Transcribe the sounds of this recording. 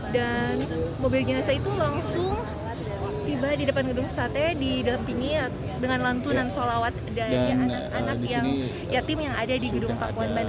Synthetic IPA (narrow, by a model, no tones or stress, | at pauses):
danmobilɡinasait̪ulaŋsʊŋ | t̪ibadidəpanɡədʊŋsat̪ɛdidalampiŋi | dəŋanlant̪unansalawat̪̚daɾiaakanak̚jaŋ | jat̪ɪmjaŋadadiɡədʊŋpakuanban